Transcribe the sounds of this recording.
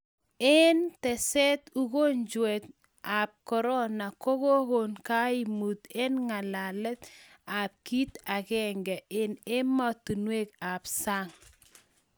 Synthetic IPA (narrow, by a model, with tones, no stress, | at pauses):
e˦ntɛ˨sɛ˦t̪u˦ɣo˦ɲd͡ʒwɛ˨t̪̚ | a˨p̚kɔ˨ɾɔ˦na˨ko˦ɣo˦ɣo˨nka˦i˨mu˨t̪e˦nŋa˨la˨lɛ˦t̪ | ap̚ki˦t̪a˨ɣɛ˦ŋɡɛ˨ɪ˨nɪ˦mɔ˦t̪u˨nwe˦ka˨psa˦ŋ